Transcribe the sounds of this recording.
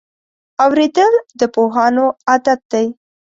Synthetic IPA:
awɾed̪əld̪əpoɦɑnoad̪at̪̚d̪aj

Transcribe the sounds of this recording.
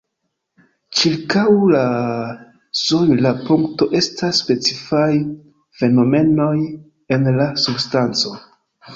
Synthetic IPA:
t͡ʃiɾkawla | sojlapuŋkto̞ʔe̞stasːpe̞t͡sifaj | fe̞no̞me̞no̞j | e̞nlasubstant͡so̞

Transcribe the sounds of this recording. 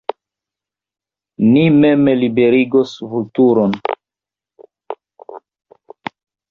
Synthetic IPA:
nimemelibe̞ɾiɡosvultuɾon

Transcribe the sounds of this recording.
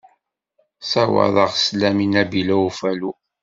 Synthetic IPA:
sawə̰ðˤəʁslæminæbilæufælu

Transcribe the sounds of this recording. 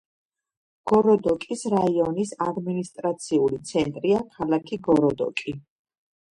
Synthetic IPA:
ɡ̥ɔɾɔd̪ɔkʼisɾaiɔnisad̪minist̪ʼɾat̪sʰiulit̪sʰɛnt̪ʼɾiakʰalakʰiɡɔɾɔd̪ɔ̰kʼi

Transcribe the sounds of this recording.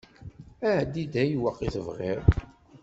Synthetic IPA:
æd̪id̪æjwəqːiθəvʁiɾ

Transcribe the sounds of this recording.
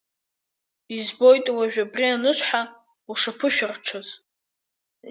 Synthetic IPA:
izbo̞jtʼwaʒᶣabrianɨʃʷħa | uʂapʰɨʃᶣʊrʈ͡ʂʷʰaz

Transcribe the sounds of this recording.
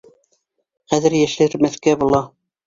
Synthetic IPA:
χæðɘ̆ɾjæʃɘ̆ɾmæθkæbulˠɑ

